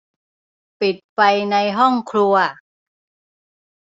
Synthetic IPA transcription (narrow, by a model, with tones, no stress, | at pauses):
pi˨˩t̪̚pa˧jna˧jɦɔ˥˩ŋkʰlu˧ɐ